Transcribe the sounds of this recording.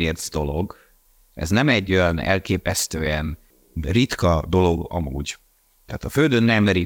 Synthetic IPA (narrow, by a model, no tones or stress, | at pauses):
eːrzd̪o̞lo̞ɡ | ɛ̰znɛmɛɟːo̞jɒnɛ̰lkeːpɛst̪øːɛn | rit̪kɒd̪o̞lo̞ɡɒ̰muːɟ | t̪aːt̪ɒføld̪ønːɛmlɛɾi